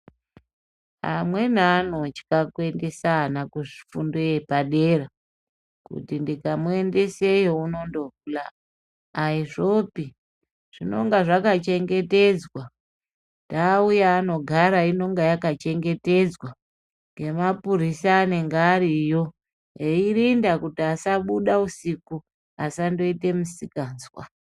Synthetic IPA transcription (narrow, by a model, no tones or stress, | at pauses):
a̰mwe̞nano̞t͡ʃi̥kakwe̞nde̞sanakuʐifundoepaɗe̞ɾa | kṵtindikamue̞nde̞sejo̞uno̞ndo̞ula̰ | aiʐo̞pi | ʐ̥ino̞̰ŋɡaʐakat͡ʃe̞ŋɡe̞te̞d͡zwa | ndaːujaːno̞ɡʱaɾaino̞ŋɡajakat͡ʃe̞ŋɡe̞te̞d͡zwa | ŋɡe̞mapuɾisaːne̞ŋɡaːɾijo̞ | eirindakutiasaɓuɗausiku | a̰sando̞ite̞musikaːnzwa̰